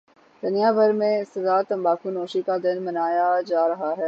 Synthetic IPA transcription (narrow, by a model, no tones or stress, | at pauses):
d̪̥ɐnijaːbɐɾmẽsɐzaːt̪ɐ̃mbaːkunoːʃikad̪ɪnmɐnaːjad͡ʒaːɾɐɦaɦɛː